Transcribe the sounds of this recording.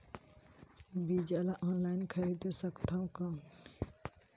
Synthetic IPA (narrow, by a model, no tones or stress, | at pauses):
bid͡ʒalaʔɔnlajnkʰəɾid̪osəkt̪ʰãw̃kɔn